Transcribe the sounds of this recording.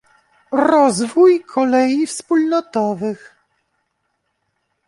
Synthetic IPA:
ɾɔzvujkʰɔlɛjifspulnɔt̪ɔvɘx

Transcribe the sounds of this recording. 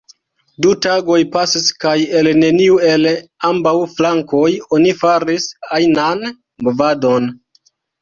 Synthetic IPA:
dutaɡo̞jpasiskaje̞lne̞niue̞lambawflaŋko̞jo̞nifaɾisajnan | bovado̞n

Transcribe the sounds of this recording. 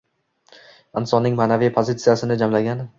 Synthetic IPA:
ɪnsɒnːɪŋmaːnavijpʰozit̪sijasɪnɪd͡ʒamlaɡʲan

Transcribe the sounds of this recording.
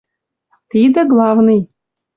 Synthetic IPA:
t̪id̪ɘ̆ɡlˠɑvnɨj

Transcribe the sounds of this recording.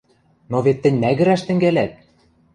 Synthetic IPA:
noβet̪ːɘ̆nʲnæɣɘ̆ɾæʃt̪ɘ̆ŋɡælæt̪̚

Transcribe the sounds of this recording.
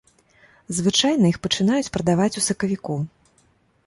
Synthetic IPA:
zvɨt͡ʂajnɐjixpɐt͡ʂɨnajut͡sʲpɾɐd̪avat͡sʲusɐkɐvʲiku

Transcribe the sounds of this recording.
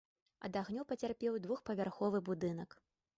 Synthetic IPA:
ɐ̰d̪aɣnʲupɐt͡sʲarpʲɛwd̪vuxpɐvʲarxɔvɨbud̪ɨnɐk

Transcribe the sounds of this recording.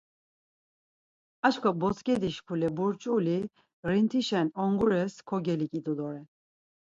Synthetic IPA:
at͡ʃkʰɔbɔt͡sʰkʼɛd̪iʃpʰulɛbuɾt͡ʃʼuli | ɾint̪ʰiʃɛnɔŋɡuɾɛskʰɔɡɛlikʼid̪ud̪ɔɾɛ

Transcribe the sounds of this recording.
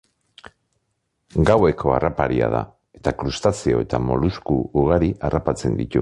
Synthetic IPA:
ɡawe̞kʰo̞a̰rapaɾia̰ð̞a̰ | e̞t̪akɾust̪asio̞e̞t̪amo̞luskuuɣ̞aɾiʔarapat͡se̞nd̪it̪u

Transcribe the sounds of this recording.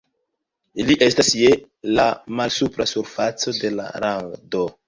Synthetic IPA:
iliʔe̞stasje̞ | lamalsupɾasuɾfat͡so̞de̞la̰ɾado

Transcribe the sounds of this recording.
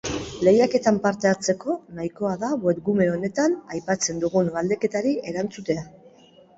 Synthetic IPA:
le̞jake̞t̪ampaɾt̪e̞at͡se̞ko̞najko̞aðaβwet̪̚ɡume̞o̞ne̞t̪anajpat͡se̞nd̪uɣunuβald̪e̞ke̞t̪aɾie̞ɾant͡sut̪e̞a

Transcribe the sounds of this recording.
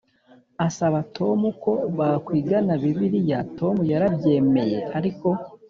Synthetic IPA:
asaβatʰo̞muko̞βakwiːɡanaβiβiɾijato̞mujaɾabje̞ːme̞jehaɾiko̞

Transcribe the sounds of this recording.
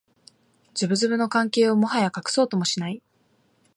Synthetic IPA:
d͡ʑɨbɯ̟zɨbɯ̟no̞kãŋke̞ːo̞mo̞ɦajakakɯ̟̥so̞ːt̪o̞mo̞ɕinai

